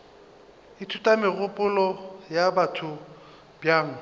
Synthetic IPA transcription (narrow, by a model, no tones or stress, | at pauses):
ɪtʰutʼamɪɣʊpʼʊlɔjabatʰʊ | bjaːŋ̩